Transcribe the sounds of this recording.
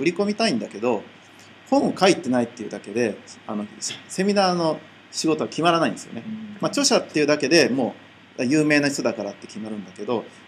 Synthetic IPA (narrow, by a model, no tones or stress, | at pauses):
ɯ̟ɾʲiko̞mʲit̪aĩnd̪ake̞d̪o̞ | hõ̞ɰ̃okait̪ːe̞nait̪ːe̞jɯ̟d̪ake̞d̪e̞ano̞se̞mʲinaːno̞ | ɕiɡo̞t̪o̞βakʲimaɾanaĩnd̪sɨjo̰emat͡ɕo̞ɕat̪ːeiɯ̟d̪ake̞d̪e̞mo̞ː | ajɯːme̞ːnai̥t͡s̪od̪akaɾat̪ːe̞̥kʲimaɾɯ̟̃nd̪ake̞d̪o̞